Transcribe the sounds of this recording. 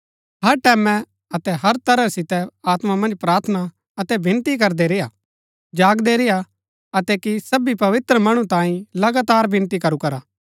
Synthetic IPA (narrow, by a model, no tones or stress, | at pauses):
ɦɐɾʈɛːmɛ̃ | ɐt̪ɛɦɐɾt̪ɐɾəsɪt̪ɛaːt̪mamɐ̃nd͡ʒpɾaːɾt̪ʰna | ɐt̪ɛbʱɪ̃nt̪ik̬ɐɾd̪eɾejaː | d͡ʒaːɡd̪eɾɪja | ɐt̪ɛkisɐbipɐʋɪt̪ɾəmɐɽ̃ũt̪ãːĩlɐɡaːt̪aːɾbʱɪ̃nt̪ikɐɾukɐɾaː